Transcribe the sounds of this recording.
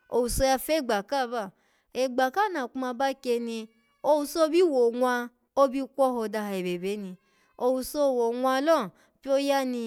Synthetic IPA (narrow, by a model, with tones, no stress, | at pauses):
o˧wu˨so˧ja˧fe˦˨ɡ͡ba˨ka˦˨ba˦˨ | e˨ɡ͡ba˨ka˦˨na˨ku˦a˧ba˦ke˧ni˧ | o˧wu˧so˦˧˦bi˦wo˨ŋʷa˧ | o˦bi˦kʷɔ˦ho˧˨da˧ɦa˧˨e˨be˨be˨˦ni˧ | o˧wu˧so˦˨wo˨ŋʷa˧˦lɔ˦˨ | pi˦o˦ja˦ni˧